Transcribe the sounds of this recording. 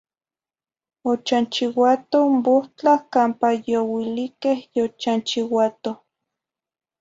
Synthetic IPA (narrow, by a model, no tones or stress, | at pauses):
ot͡ʃant͡ʃiwat̪omboht͡ɬahkaːmpajowilikehjot͡ʃant͡ʃiwat̪oh